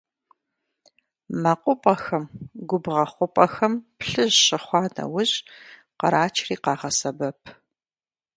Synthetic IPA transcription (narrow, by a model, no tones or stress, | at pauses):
mɐqʷʼʊpʼɐxɐmɡʷʊbʁɐχʷʊpʼɐxɐmpɬɨʑɕɪχʷɑːnɐ̰wʊʑ | qɐɾaːt͡ʃʰriːqɑːʁɐsɐbɐpʰ